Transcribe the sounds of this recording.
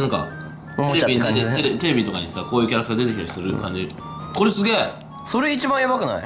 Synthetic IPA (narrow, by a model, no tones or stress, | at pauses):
nãŋka̰ | t̪eeiet̪eɾet̪e̞ɾe̞bʲit̪o̞kaɲisakoːjɯ̟ːkʲaɾakɯ̟t̪aːd̪e̞t̪ekʲt̪aɾisɨɾɯ̟kãɲ̟d͡ʑi | ko̞ɾesɨɡʲe̞ː | so̞ɾe̞it͡ɕibãjabakɯna̰ḭ